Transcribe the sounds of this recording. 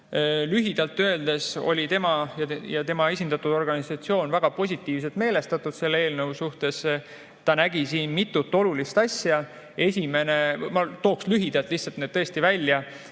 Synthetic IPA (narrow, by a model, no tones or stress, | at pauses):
lyɦid̪̥ɑlt̪ːø̞eld̪e̞so̞̰lʲit̪e̞mɑjɑjɑt̪e̞mɑe̞s̬ʲind̪̥ɑt̪ud̪̥o̞rɡ̥ɑnisɑt̪sio̞ːnvæɡ̥ɑpo̞s̬ʲit̪ˑːiːvs̬e̞lt̪me̞ːle̞st̪ɑt̪ːˑud̪̥se̞lːee̞ːlnɤwsuht̪e̞s | t̪ɑnæɡ̥isiːnmit̪ːˑut̪ːˑo̞lulist̪ɑsʲjɑ | e̞sʲime̞nemɑt̪o̞ːkslyɦid̪̥ɑlt̪ˑlihtsːɑlt̪ned̪̥t̪ːɤest̪ivælʲːjɑ